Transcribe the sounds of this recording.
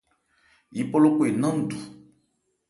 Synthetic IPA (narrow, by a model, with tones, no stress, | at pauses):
ji˨po˦lo˦ku˦˨e˨nã˦n̩˨du˨